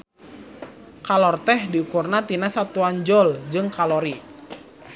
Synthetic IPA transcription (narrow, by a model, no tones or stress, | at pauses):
kalɔrt̪ɛhdiukurnat̪inasat̪uand͡ʒɔld͡ʒɨŋkalɔɾi